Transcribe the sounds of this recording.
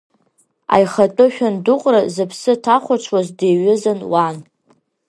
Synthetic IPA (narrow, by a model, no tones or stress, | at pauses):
a̰jχatʼʊʃʲᶣandʊqʷʼrazɨpʰsɨtʰaχʷaʈ͡ʂʷʰwazdeɥɪzanwan